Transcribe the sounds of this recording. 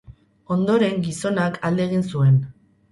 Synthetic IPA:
o̞nd̪o̞ɾe̞ŋɡiso̞nakʰald̪eɣ̞insue̞n

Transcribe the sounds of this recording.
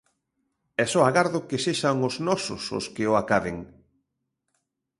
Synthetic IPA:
ɛsɔaɣaɾðʊkeseʃaŋʊznɔsʊ̰sʊ̰skɪʊakaðḛŋ

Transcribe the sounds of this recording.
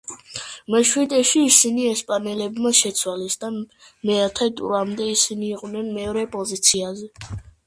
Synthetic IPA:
mɛʃwid̪ʼɛʃiːsiniɛspʼanɛlɛbmaʃɛt̪sʰwalisd̪amɛat̪ʰɛt̪ʼṵɾamd̪ɛisiniːqʼwnɛnmɛɔɾɛpʼɔzit̪sʰiazɛ

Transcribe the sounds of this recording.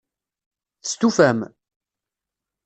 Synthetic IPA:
θə̥st̪ufæm

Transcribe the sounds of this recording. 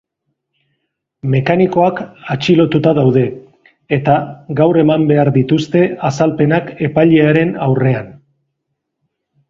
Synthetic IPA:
me̞kaniko̞akat͡ʃilo̞t̪ut̪aðawðe̞ː | t̪aɡawre̞mambe̞aɾðit̪ust̪e̞asalpe̞nake̞paʎe̞aɾe̞na̰wre̞an

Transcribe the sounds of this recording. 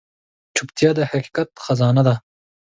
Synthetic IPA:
t͡ʃʰʊpt̪jɑd̪əhaqi̥kat̪xazɑnad̪a

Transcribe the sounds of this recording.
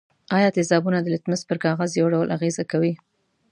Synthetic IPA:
ɑjɑt̪ɪzɑbunad̪əlɪt̪mɪzpəɾkɑɣazjawɖawəlʔaɣezakawi

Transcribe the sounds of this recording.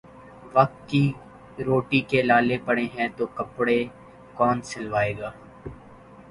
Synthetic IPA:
ʋɐk̚t̪̚ki | ɾoːʈikelaːlepɐɽeɦɛ̃t̪okɐpɽe | kɔːnsɪlʋaːeːɡaː

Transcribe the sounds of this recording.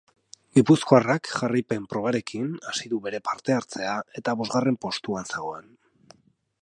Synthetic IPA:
ɡipusko̞arakʝarajpe̞mpɾo̞β̞aɾe̞kinasiðuβe̞ɾe̞paɾt̪e̞aɾt͡se̞ae̞t̪aβo̞zɣare̞mpo̞st̪uanse̞ɣo̞en

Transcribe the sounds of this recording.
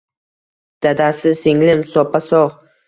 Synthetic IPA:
d̪̥ad̪asɪsɪŋlɪmsɒpʰasɒʁ

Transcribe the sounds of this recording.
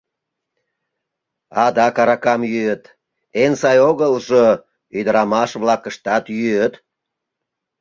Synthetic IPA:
ɑd̪ɑkɑɾɑkɑmjyət̪ | ensɑjoɣəlʒo | yd̪əɾɑmɑʃβlɑkəʃt̪ɑt̪jyøt̪

